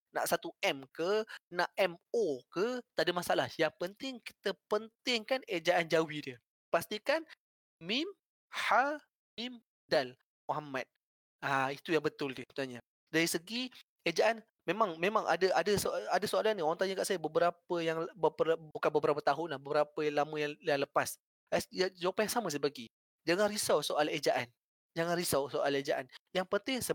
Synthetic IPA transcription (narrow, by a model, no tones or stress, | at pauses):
na̰ʔsat̪uɛmkənaʔɛmokət̪adəmasaʔalahjaŋpənt̪ɪŋki̥t̪əpənt̪ɪŋkaned͡ʒaʔand͡ʒawidə | past̪ikan | mɪm | ha | mim | dal | moɦamat̪̚ | ait̪ujaŋbət̪ʊldiət̪naɲa | daɾisəɡi | ed͡ʒaʔan | mẽmãŋmẽmãŋʔa̰dəʔa̰dəsoadasoalanioɾaŋt̪aɲəkaʔsajəbəbəɾapəjaŋbəpəbukanbəbəɾapət̪aɦʊnlahbəbəɾapəlaməjaŋjaŋləpas | ajad͡ʒawapanjaŋsamə̃səbaɡi | d͡ʒaŋanɾisawsoʔaled͡ʒaʔan | d͡ʒaŋanɾisawsoʔaled͡ʒaʔanjaŋpənt̪ɪŋsə